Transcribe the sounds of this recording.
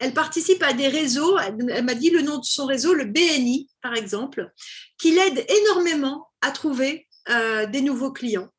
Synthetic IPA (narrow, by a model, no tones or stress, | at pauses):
ɛlpaʁt̪isipad̪eʁezoɛɛlmad̪ilənɔ̃d̪əsɔ̃ʁezoləbeɛnipaʁɛɡzɑ̃plkʲilɛd̪enɔʁmemɑ̃at̪χuve | ød̪enuvoklijɑ̃